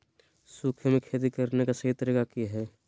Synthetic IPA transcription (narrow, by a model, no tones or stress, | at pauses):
suːkʰemẽkʰeːt̪̬ikɐɾnekasɐɦɪt̪ɾəkakiɦɛː